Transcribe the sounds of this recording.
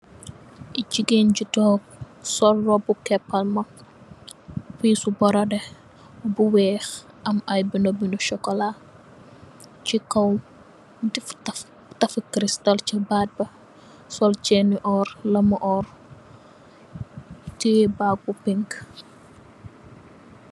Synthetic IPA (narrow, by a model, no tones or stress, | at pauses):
ʔiɟiɡenɟitɔːk̚ | sɔlːɔbukɛpːɐlmɐ | fiːsubɔɾɐdɛ | buwɛːx | ʔɐmɐjbinɔbinuʃɔkːɔla | t͡ʃikɐw | diftɐ | tɐfkɾistɐlt͡ʃibaːd̚bɐ | sɔlt͡ʃɛniʔɔrlɐmʔɔr | tibaɡ̚upiŋk